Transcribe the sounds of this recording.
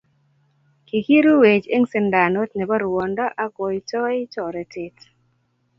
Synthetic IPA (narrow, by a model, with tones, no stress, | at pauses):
ki˨ki˦ɾu˦we˨t͡ʃe˦ŋsɪ˨nda˨no˦tnɛ˨bɔ˦ɾwɔ˨ndɔ˦ʔa˦ko˨i˨tɔ˦ɪ˦tɔ˨ɾɛ˨tɪ˦t